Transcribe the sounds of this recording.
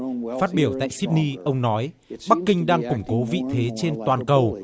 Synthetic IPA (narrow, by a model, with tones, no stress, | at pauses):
faː˦˥t̚ɓi˧˩əwt̪a̰ː˧˨jsi˦˥p̚ni˧ʔə˧wŋ͡mnɔ˨˦j | ɓa˦˥kːï˧ŋ̟ɗaː˧ŋkʊ˧˩ŋ͡mko˨˦vḭ˧˨t̪ʰe˨˦t͡ɕe˧nt̪waː˨˩nkə˨˩w